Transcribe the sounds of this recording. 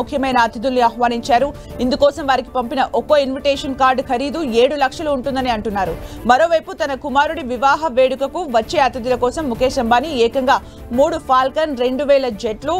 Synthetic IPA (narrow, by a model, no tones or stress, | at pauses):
kʰjɐmɐjnɐːt̪id̪ulniaːhʋaːniɲt͡ʃaːɾu | ind̪ukɔːsɐmʋaːɾiki̥pɐmpinɐʔokoinʋiʈeːʂɐnkaːɾɖkʰɐɾiːd̪ue̞ːɽulɐkʂɐluːɳʈund̪ɐniɐɳʈunːaːɾṵmɐɾo̞ːʋɐjput̪ɐnɐkumaːɾuɽiʋiʋaːɦɐʋe̞ːɽukɐkuʋɐt͡ʃːeːɐt̪id̪ulɐkɔːsɐmːukeːʃɐmbaːniɛːkɐŋɡaː | muːɽupʰaːlkɐnɾe̞ɳɖuʋɛːlɐd͡ʒeʈlu